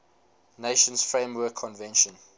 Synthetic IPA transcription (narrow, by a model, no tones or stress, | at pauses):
neʃə̃nsfɹẽmwɜkʰːɔ̃nvɛ̃nʃə̃n